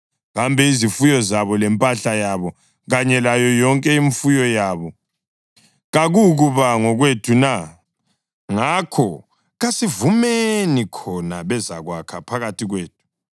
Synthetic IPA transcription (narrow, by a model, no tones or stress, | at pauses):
ɣambʱɛizifujɔzaβɔlɛmpʼaɬajaβɔ | ɣaɲɛlajɔjɔŋkʼɛiɱfujɔjaːβɔ | ɣaɣuɣuβaŋɔɣwetʰuna | ŋakʰɔ | ɣasivumenikʰɔnaβɛza̰ɣwakʰapʰaɣatʰiɣweːt̚ʼʰu̥